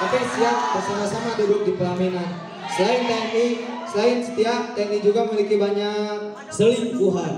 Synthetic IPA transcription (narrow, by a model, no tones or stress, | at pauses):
apajsiaʔ̚bərsamasamadudʊk̚dipəlaminan | səlaɪnt̪ɛnisəlaɪnsə̥t̪iak̚t̪ɛnid͡ʒuɡaməlikibaɲak̚ | səlɪŋkuɦan